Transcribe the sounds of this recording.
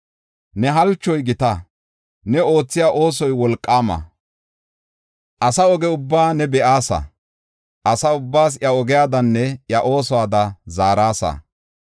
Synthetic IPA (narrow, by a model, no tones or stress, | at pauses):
nɛɦɐlt͡ʃːɔjɡɪt̪ɐ | nɛo̞ːt͡sːɪjaːʔo̞ːs̬ɔjwɔlkʼːaːmɐ̰ | ʔɐsɐɔɡɛʊbːaːnɛbɛʔaːsɐ̰ | ʔɐsɐʊbːaːs̬jɐɔɡɛjaːd̪ɐnːɛjɐʔo̞ːsɔwaːd̪ɐzaːɾaːsɐ̰